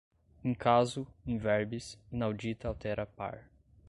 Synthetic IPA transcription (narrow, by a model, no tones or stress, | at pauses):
ẽkʰazʊẽvɛɾbisinawd͡ʒit̪ɐawt̪ɛɾɐpa̰ɾ